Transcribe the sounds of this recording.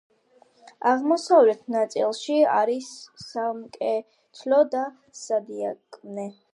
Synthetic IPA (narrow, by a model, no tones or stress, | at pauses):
aʁmɔsavlɛt̪ʰnat̪sʼḭlˠʃia̰ɾisːamkʼɛ | t̪ʰlɔd̪a | sad̪iakʼmnɛ